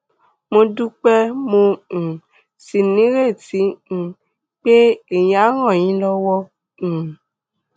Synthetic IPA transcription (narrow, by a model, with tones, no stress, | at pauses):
mõ˧du˦k͡pɛ˦mõ˧˨ | si˨nĩ˨˦ɾe˦˨tĩ˨˦˨ | k͡pe˦e˦˨jĩ˧a˨˦ɾ̃ã˦˨j̃ĩ˨˦lɔ˧wɔ̃˦˧˨